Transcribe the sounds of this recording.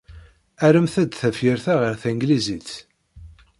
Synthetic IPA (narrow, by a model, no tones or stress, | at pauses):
æɾəmθæd̪θæfjəɾθæʁəɾθæŋɡlizit͡s